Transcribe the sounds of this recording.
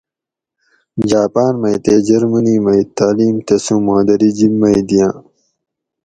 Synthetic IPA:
d͡ʑaːpaːnmɐjt̪eːd͡ʑɐɾmuniːmɐit̪aːliːmt̪ɐsũmãːd̪ɐɾid͡ʑibːɐid̪ijãː

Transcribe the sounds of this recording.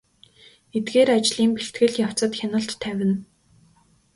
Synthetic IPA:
et̪ɡeːɾat͡ɕɮiːmpeɬt̪ɡɘ̆ɮjaw̥t͡sə̆t̪xʲanə̆ɬtʰːæwʲɪ̆n

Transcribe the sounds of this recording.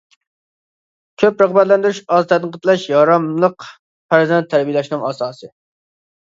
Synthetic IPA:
kʲʰøpɾəχbæt̪lɛnd̪yɾyʃɑzt̪ʰɛt̪qʰət̪ʰlˠɛʃjɑɾɑmlˠəq | pʰæɾzɛnt̪ʰːæɾbijlˠɛʃnɨŋɑsɑːsɨ

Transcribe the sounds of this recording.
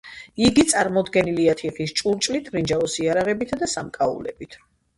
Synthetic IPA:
iɡit̪sʼaɾmɔd̪ɡɛniliat̪ʰiχist͡ʃʼuɾt͡ʃʼlit̪ʰɾind͡ʒaɔsiaɾaʁɛbit̪ʰd̪asamkʼaṵlɛ̰bit̪ʰ

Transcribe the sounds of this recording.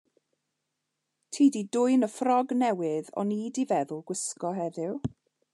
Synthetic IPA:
tʰiːdidʊjnəfrɔɡnɛwɪðɔ̰niːdivɛðʊlˠɡwɪskɔɦɛðɪw

